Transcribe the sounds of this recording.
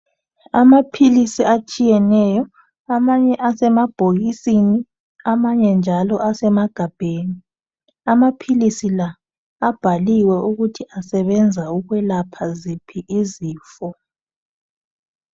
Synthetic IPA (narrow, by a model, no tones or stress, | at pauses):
amapʰilisiat͡ʃʼijɛnɛjɔ | amaɲɛʔasɛmab̥ʱoɣisini | amaɲɛnd͡ʒʱalɔʔasɛmaɡ̥ʱab̥ʱeːni | amapʰilisilaː | b̥ʱaliwɛuɣutʰiasɛβɛnd͡zʱauɣwɛlapʰazipʰiʔiziːfɔ